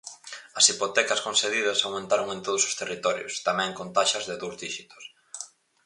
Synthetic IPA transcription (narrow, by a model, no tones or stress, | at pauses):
ɐsipot̪ɛkɐskõnseðiðɐsawmẽnt̪aɾoŋẽnt̪oð̞ʊso̥st̪erit̪ɔɾjʊ̰st̪amɛ̃ŋkont̪aʃɐzðeðuwzðiʃit̪o̥s